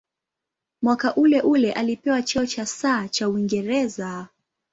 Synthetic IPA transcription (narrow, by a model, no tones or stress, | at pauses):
mwakaʔulɛʔulɛʔalipɛwat͡ʃɛɔt͡ʃasaːt͡ʃauiŋɡɛɾɛza